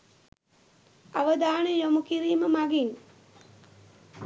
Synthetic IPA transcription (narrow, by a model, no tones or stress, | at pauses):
aʋəd̪aːɳəjomukiɾiːməmaɡin